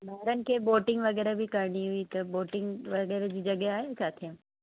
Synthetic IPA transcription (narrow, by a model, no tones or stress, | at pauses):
mɐɦɪɾənɪ̆kʰeːboːʈɪ̃ŋɡʋɐɣɛːɾabʱɪkɐɾɽ̃iɦʊit̪ɐboːʈɪ̃ŋɡʋɐɣɛːɾed͡ʑiːd͡ʑɐɠeaːɦet͡ɕaːt̪ʰijã